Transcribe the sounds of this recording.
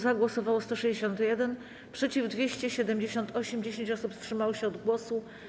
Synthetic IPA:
zaɡwɔsɔvawɔst̪ɔʂɛʑd͡ʑeɕ̬ɔnt̪jɛd̪ɛn | pʂɛt͡ɕivd̪vʲjeɕt͡ɕɛɕɛd̪ɛmd͡ʑeɕɔnt̪ʰɔɕɛmd͡ʑeɕeɲt͡ɕɔsupstʂɘmawɕɛɔd̪ɡwɔsu

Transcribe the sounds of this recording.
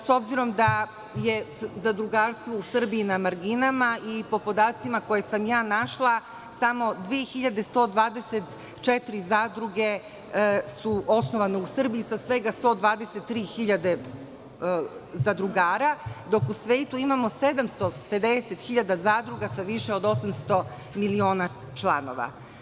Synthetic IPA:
so̞bziɾo̞md̪a | je̞zad̪ɾuɡaːɾst̪ʋousr̩biinamaɾɡinamaʔipo̞po̞d̪aːt̪simako̞jesamjaːnaʃlˠa | samo̞d̪ʋeːxiʎad̪e̞st̪o̞ːd̪ʋaːd̪eset̪ | t͡ʃet̪iɾizaːd̪ɾuɡe̞ | suʔo̞sno̞ʋaneusr̩biisasʋe̞ɡast̪o̞ːd̪ʋaːd̪e̞set̪ːɾiːxiʎad̪e̞ | zad̪ɾuɡaːɾad̪o̞kusʋe̞ːt̪uimamo̞se̞d̪amst̪o̞pe̞d̪eset̪xiʎad̪azaːd̪ɾuɡasaʋiʃe̞o̞d̪o̞samst̪o̞ | milio̞ːna | t͡ʃlˠano̞̰ʋa̰

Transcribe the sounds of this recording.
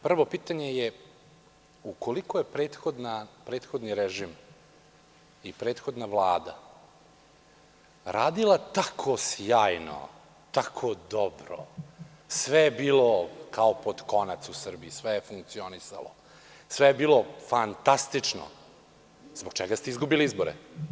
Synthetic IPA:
pr̩ʋo̞piːt̪aɲeje | uko̞likoje̞pɾeːt̪xod̪napɾe̞ːt̪xod̪niɾeʒim | ipɾe̞ːt̪xod̪navlˠaːd̪a̰ | ɾaːd̪ilˠat̪akʰosjaːjno̰ | t̪akʰod̪obɾo̰ | sʋejebiːlokʰaopod̪ko̞nat̪susr̩biisʋɛjefuŋk̚t̪sio̞nisa̰lo̰ | sʋɛjebiːlˠo̞fant̪ast̪it͡ʂno̰ | zboɡ̚t͡ʃɛɡast̪eizɡubiliizboɾɛ̰

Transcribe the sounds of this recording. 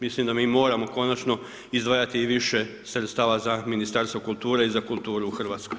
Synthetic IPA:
mislimd̪amiːmo̞ːɾamo̞ko̞nat͡ʃno̞ | izd̪ʋaːjat̪iːʋiʃe | sɾet̪st̪aːʋazaminist̪aɾst̪ʋo̞kulˠt̪uːɾeizakulˠt̪uːɾuːxr̩ʋaːt̪skoj

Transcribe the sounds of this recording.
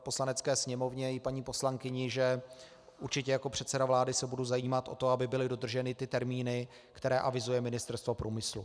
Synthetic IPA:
po̞slanɛt͡skɛːsɲɛmo̞vɲɛɪpaɲiːpo̞slaŋkɪɲɪʒɛ | ʔuɾt͡ʃɪcɛjako̞pr̝̥ɛt̪sɛdavlaːdɪsɛbuduzajiːmat̪ʔo̞̰t̪o̞abɪbɪlɪdo̞d̪r̩ʒɛnɪt̪ɪt̪ɛɾmiːnɪ | kt̪ɛɾɛːʔavɪzujɛmɪnɪst̪ɛɾst̪vopɾuːmɪslṵ

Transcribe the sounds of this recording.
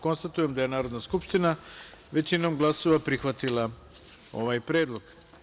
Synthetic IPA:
ko̞nst̪at̪uje̞md̪aje̞naːɾod̪naskupʃt̪ina | ʋe̞t͡ɕino̞mɡlˠaso̞ʋapɾixʋat̪ilˠa | o̞̰ʋajpɾe̞ːd̪lˠo̞ɡ̥

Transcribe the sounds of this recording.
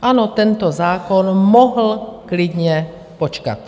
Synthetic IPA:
ʔanɔt̪ɛnt̪ɔzaːkɔnmɔɦl̩klidɲɛ | pɔt͡ʃka̰t̪

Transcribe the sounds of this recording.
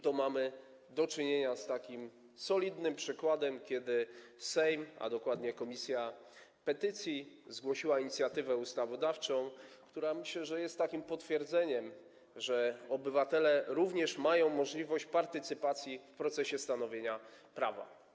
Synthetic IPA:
t̪ɔmamɘ | d̪ɔt͡ʂɘɲeɲast̪akʲim | sɔlʲid̪nɘmpʂɘkwad̪ɛmkʲɛd̪ɘsɛjma̰d̪ɔkwad̪ɲɛkɔmʲisʲja | pɛt̪ɘt̪sʲjizɡwɔɕiwaiɲit̪sʲjat̪ɘvɛust̪avɔd̪aft͡ʂɔ̃w̃kt̪uɾamɘɕlɛʐɛjɛst̪ːakʲimpɔt̪fʲjɛɾd̪zɛɲɛm | ʐɛɔbɘvat̪ɛlɛɾuvɲɛʂmajɔ̃w̃mɔʐlʲivɔɕt͡ɕpaɾt̪ɘt̪sɘpat̪sʲjifpɾɔt̪sɛɕɛst̪anɔvʲjeɲapɾava̰

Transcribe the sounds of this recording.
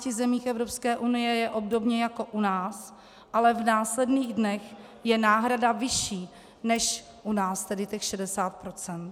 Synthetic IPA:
cɪzɛmiːxɛvɾo̞pskɛːʔunɪjɛjɛʔo̞b̚do̞bɲɛjako̞ʔunaːs | ʔalɛvnaːslɛdniːɣdnɛx | jɛnaːɦɾadavɪʃiː | nɛʃ | ʔunaːst̪ɛdɪt̪ɛxʃɛdɛsaːt̪̚pɾo̞t͡sɛnt̪

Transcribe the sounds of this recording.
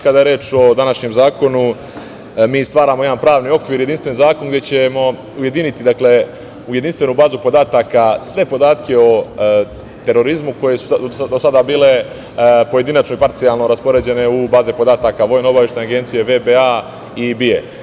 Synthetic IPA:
kad̪aje̞ɾeːt͡ʃo̞d̪anaʃɲemzaːko̞nu | miːst̪ʋaːɾaːmo̞e̞d̪anpɾaːʋnio̞kʋiːɾje̞d̪inst̪ʋenizaːko̞nɡd̪je̞t͡ɕe̞mo̞ | uje̞d̪init̪id̪akle̞ | uje̞d̪inst̪ʋe̞nubaːzupo̞d̪aːt̪aːkasʋe̞po̞d̪aːt̪ke̞o̞ | t̪e̞ɾo̞ɾizmuko̞je̞su̥d̪osad̪abiːle̞ | po̞je̞d̪inat͡ʃno̞ipaɾt̪sijalˠno̞ɾaspo̞ɾe̞d͡ʑe̞ne̞ubaːzepo̞d̪aːt̪aːkaʋo̞jnao̞baʋje̞ʃt̪anaɡe̞nt̪sije̞ʋe̞bea | ibiḛ

